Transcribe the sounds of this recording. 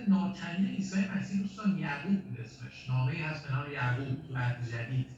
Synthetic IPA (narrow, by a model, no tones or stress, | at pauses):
nɒːt̪ʰæniːneiːsɒːjemæsiːd̪ust̪ɒːnjæɣuːb̚mɾesmḛʃnɒːɣeiːhæsbenɒːɾejæɡuːbbæd̪ed͡ʒæd̪iːd̪̥